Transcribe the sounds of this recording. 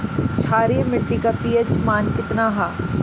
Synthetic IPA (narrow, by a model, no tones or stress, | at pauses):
t͡ʃʰaːɾimɪʈːikapiːət͡ʃmaːnkɪt̪naɦaː